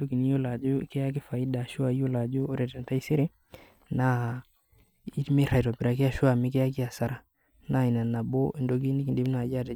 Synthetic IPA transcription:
to˦ki˨ni˦jo˦la˨d͡ʒʊ˦kɛ˦a˦k̬ɪ˦fa˨i˦da˨ʃʊ˦a˨˦jo˦la˨d͡ʒu˦o˦ɾɛ˨tɛ˨nta˦i˦se˦ɾe˦ | na˦ | i˦tme˦ɾa˨jtɔ˨pɪ˨ɾa˨ke˦a˨ʃʊ˦a˨mɪ˦kɛ˦a˦k̬ɪ˦a˨sa˨ɾa˨ | na˦˨i˨na˨na˨bo˦i˨ndo˨˦k̬i˦ni˦ki˨nde˨˦m˦nː˦˨d͡ʒa˦˨tɛ˨

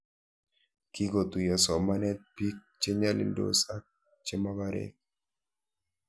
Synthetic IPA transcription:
ki˦ɡo˨t̪u˨ja˨sɔ˨ma˦nɛ˦t̪̚pi˦k̚t͡ʃe˦ɲa˦lḭ˨ndo̰˨sa˦ | t͡ʃe˦ma˦ba˦ɾɛ̰˨k̚

